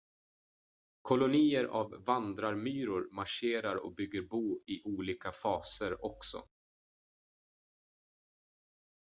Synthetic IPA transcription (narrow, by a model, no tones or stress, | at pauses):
kʰɔlʊniːəɾʔa̰vːand̪ɾaɾmyːɾʊɾmaʂeːɾaɾɔ̰k̚bʏɡːəɾbuːɪʔuːliːkafɑːsəɾɔksɔ̰